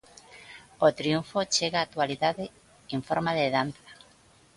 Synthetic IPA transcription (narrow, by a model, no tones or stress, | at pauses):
ot̪ɾiuɱfot͡ʃeɣaːk̚t̪waliðaðe | eɱfoɾmaðeðanθḁ